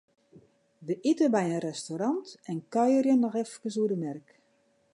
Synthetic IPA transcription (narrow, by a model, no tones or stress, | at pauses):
dəʔitəbɛjənrɛstoɾɑntɛnkœjərjənːɔxɛfkəsuədəmɛrk